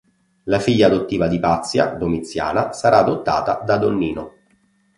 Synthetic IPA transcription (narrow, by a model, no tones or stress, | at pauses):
lafiʎːaːd̪ot̪ːiːvad̪ipat̪sːja̰d̪omit̪sːja̰ːnasaɾʔaːd̪ot̪ːa̰ːt̪ad̪ad̪onːiːno